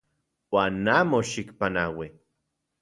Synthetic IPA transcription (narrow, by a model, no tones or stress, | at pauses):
waːnːamoʃikpanawi